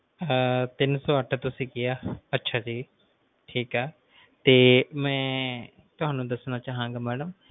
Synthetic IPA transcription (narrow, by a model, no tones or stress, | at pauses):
t̪ɪnsɔːəʈʰt̪ʊsĩːkɪjaːətːʃʰaːd͡ʒiː | ʈʰiːkɦɛː | t̪eːmɛ̃ː | t̪ʊɦaːnũːd̪əsnaːt͡ʃaːɦãːŋɡaːmɛːɖəm